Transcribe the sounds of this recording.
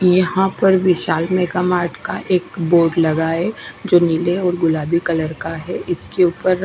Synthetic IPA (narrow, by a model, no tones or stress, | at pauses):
jɐɦãpɐɾʋɪʃaːlmẽkamaːɾʈʰkaʔeːkboːɾɖlɐɡaːed͡ʒoːniːleɔːɾɡʊlaːbikɐləɾkaɦɛʔɪskeuːpəɾ